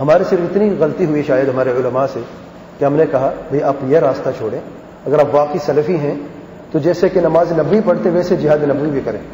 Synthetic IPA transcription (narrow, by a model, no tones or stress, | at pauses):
ɦɐmaːɾisɪɾfɪt̪niɣɐlt̪iɦʊiʃaːjəd̪ɦɐmaːɾeʊləmase | keɦɐmnekɐɦabʱɐiʔaːpjeɾaːst̪at͡ʃʰoːɽẽː | ɐɡəɾaːpʋaːqisɐlfiɦɛ̃ | t̪od͡ʒɛːsekenɐmaːzenɐbːipɐɽt̪eɦʋɛːsed͡ʒɪɦaːd̪enɐbʋibʱikɐɾẽː